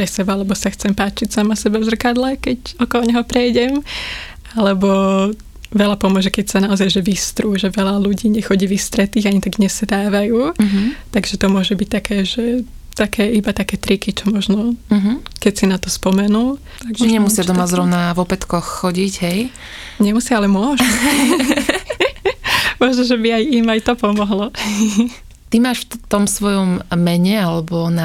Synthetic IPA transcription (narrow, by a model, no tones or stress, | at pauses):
pɾɛsɛbaalɛbɔsaxt͡sɛmpaːt͡ʃicsamasɛbɛvzr̩kad̪lɛkɛcɔkɔlɔɲɔɦɔpɾɛjɟɛm | ʔalɛbɔ | ʋɛlapɔmʊɔʒɛkɛcsanaɔzajʒɛʋist̪ɾuːʒɛʋɛlaluɟiːɲɛxɔɟiːʋist̪ɾɛt̪iːɣaɲit̪aɡɲɛsɛt̪aːʋajuːɦt̪aɡʒɛt̪ɔmʊɔʒɛbic̚t̪akɛːʒɛ | t̪akʰɛːibat̪akɛːt̪ɾikit͡ʃɔmɔʒnɔɦ̩kɛcsinat̪ɔspɔmɛnul | t̪aɡʒɛɲɛmusɪad̪ɔmazɾɔʊnavɔpɛt̪kɔxːɔɟiɟɦɛj | ɲɛmusɪalɛmʊɔʒ | mʊɔʒnɔʒɛbiajimajt̪ɔpɔmɔɦlɔh | t̪imaːʃft̪ɔmsʋɔjɔmmɛɲɛalɛbɔna